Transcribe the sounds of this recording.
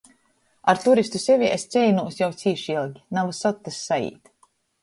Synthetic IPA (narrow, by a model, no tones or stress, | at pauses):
aɾt̪uɾist̪usɛvʲiɛʔest̪sʲɛjnuːsjawt̪sʲiːʃilˠɡʲinavasɔt̪ːasːaḭːt̪